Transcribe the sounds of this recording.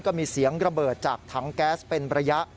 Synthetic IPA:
kɔː˥˩miː˧si˩˦əŋɾa˧bɤː˨˩t̪̚t͡ɕaː˨˩k̚t̪ʰa˩˦ŋkɛː˦˥spe˧nɾa˧ja˦˥ʔ

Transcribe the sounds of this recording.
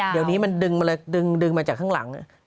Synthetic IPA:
ddi˨˩wniː˦˥ma˧ndɯ˧ŋma˧lɤː˧jdɯ˧ŋdɯ˧ŋmaː˧t͡ɕaː˨˩kʰa˥ŋla̰˩˦ŋ˧˥˩

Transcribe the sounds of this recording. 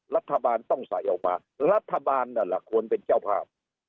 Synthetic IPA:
ɾa˦˥t̪ʰːa˧baː˧nt̪ɔ˥˩ŋsa̰˨˩˦jʔɔː˨˩k̚maː˨˧ | ɾa˦˥t̪ʰːa˧baː˧nːa˧˩la˧˩kʰu˧ənpe˧nt͡ɕaː˥˩wpʰa̰ː˥˩p̚

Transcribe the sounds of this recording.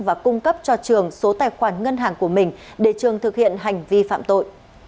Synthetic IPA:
vaː˨˩kʊ˧ŋ͡mkə˦˥p̚t͡ɕɔ˧t͡ɕɨ˨˩əŋso˨˦t̪aː˨˩jxwaː˧˩nŋə˧nɦaː˨˩ŋku˧˩əmï˨˩ŋ̟ | ɗe˧˩t͡ɕɨ˨˩əŋt̪ʰɨ˨˩k̚hḭ˧˨ənɦa˨˩jŋ̟vi˧fa̰ː˧˨mt̪o̰˧˨jʔ

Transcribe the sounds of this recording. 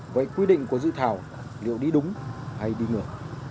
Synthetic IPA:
və̰˧˨jkwi˧ɗḭ˧˨ŋ̟ku˧˩əzɨ̰˧˨t̪ʰaː˨˩w | lḭ˧˨wɗi˧ɗʊ˨˦ŋ͡mha˧jɗi˧ŋɨ˧˩ə

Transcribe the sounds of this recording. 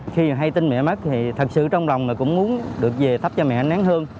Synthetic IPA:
xi˧ma˨˩ɦa˧jt̪i˧nmɛ̰˧˨ma˦˥k̚t̪ʰi˨˩t̪ʰə˨˩k̚sɨ̰˧˨t͡ɕɔ˧wŋ͡mla˨˩wŋ͡mmaː˨˩kʊ̰˧˥ŋ͡mmu˨˦ənɗɨ˨˩ək̚ve˨˩t̪ʰə˦˥p̚t͡ɕɔ˧mɛ̰˧˨˦nːaː˨˦ŋhəː˧n

